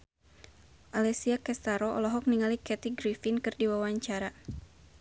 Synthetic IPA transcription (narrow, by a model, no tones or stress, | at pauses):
ʔalɛsiakɛst̪aɾɔɔ̰lɔɦɔk̚niŋalikɛt̪iɡɾifinkɨrdiwawaɲt͡ʃaɾa